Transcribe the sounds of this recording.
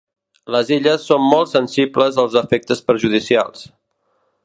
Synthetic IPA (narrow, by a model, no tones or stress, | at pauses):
ləziʎəsːommɔlˠt̪sənsibləzəlˠzəfɛk̚t̪əspəɾʒuð̞isia̰lˠs